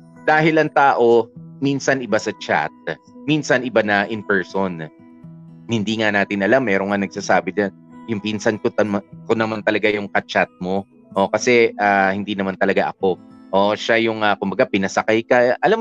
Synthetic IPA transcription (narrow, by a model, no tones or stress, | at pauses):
d̪aːɦɪlɐŋt̪aːʔo̞minsɐnɪbasɐt͡ʃa̰t̪̚ | minsɐnʔɪbanɐʔɪnpɛɹson | hɪnd̪iːŋanaːt̪ɪnʔɐlamːɛːɾoŋːanɐɡ̚saːsaːbɪd͡ʒanjʊŋpinsɐnkʊt̪ɐmakonɐmant̪ɐlɐɡajʊŋkɐt͡ʃat̪̚mo̞ | ʔokɐsɛʔaːhɪnd̪iːnɐmant̪ɐlɐɡaʔɐko̞ʔoʃajʊŋɐkʊmbɐɡapɪnɐsɐkajkɐʔɐlam